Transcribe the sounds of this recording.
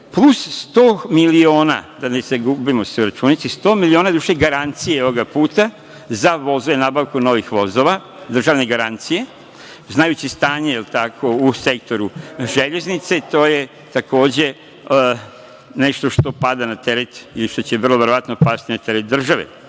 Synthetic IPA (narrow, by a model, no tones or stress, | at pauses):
plˠusst̪omilio̞ːna̰d̪aneseɡubimo̞seuɾat͡ʃuːnit̪sist̪o̞ːmilio̞ːnad̪uʃeɡaɾant̪sijeoʋoɡapuːt̪a | zaʋo̞zoʋenaːbaʋkuno̞ʋixʋo̞zoʋa | d̪r̩ʒaʋneɡaɾant̪sije̞ | znajut͡ɕist̪aːɲeilt̪akʰo̞use̞k̚t̪o̞ɾuʒeʎe̞znit̪set̪o̞ːje | t̪akoːd͡ʑe̞ | ne̞ʃt̪o̞ʃt̪o̞pad̪anat̪eɾet̪iliʃt̪ot͡ɕeʋr̩lˠoʋe̞ɾoʋat̪nopad̪t̪inat̪e̞ɾet̪̚d̪r̩ʒaʋḛ